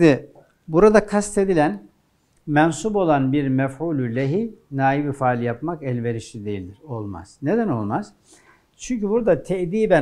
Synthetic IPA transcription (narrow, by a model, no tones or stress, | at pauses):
d̪i | buɾad̪akʰast̪e̞d̪ilʲæn | mɛnsubo̞lˠanbiɾmɛfuːlʲylʲeɦinaːjibifaːlʲjapmakɛlʲve̞ɾiʃid̪e̞jilʲd̪iɾo̞lˠma̰z̥ne̞d̪æno̞lˠmaz̥ | t͡ʃʰyɲcybuɾd̪at̪ʰɛʔd̪iːbæ